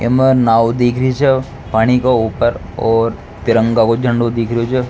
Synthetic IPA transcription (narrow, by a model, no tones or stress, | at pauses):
ḛmənaːwd̪ikʰɾiit͡ʃʰe | paːɽ̃ikouːpəɾ | ɔːɾ | t̪ɪɾə̃ŋɡakod͡ʒʱə̃ɳɖod̪ɪkʰɾijot͡ʃʰe